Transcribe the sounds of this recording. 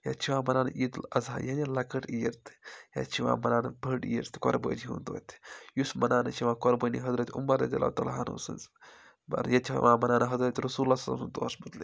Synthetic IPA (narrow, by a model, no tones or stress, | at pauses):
jɐ̰t͡ʃʰiʋãːmɐnaːnʔid̪lɐzaːjanilɐkɐʈijɾt̪ʰjɐ̰t͡ʃʰiʋã̰ːmɐnaːnbʱɐɖḭjɾt̪kɔɾbə̰ːniɦṵ̃nt̪d̪o̰ːt̪ʲjusmɐnaːnɐt͡ʃʰiʋãːkɔɾbəniɦɐzɾɐt̪ʲumːɐɾɐd̪ijɐ̰la̰ut̪ɐlɦanṵsɨ̰nz | bɐ̰ɾjɐt̪ʲʰiʋãːmɐnaːnɐɦɐzɾɐt̪ʲɾɐsuːlːaːsɐlɐmsunt̪o̰ːsmɐt̪li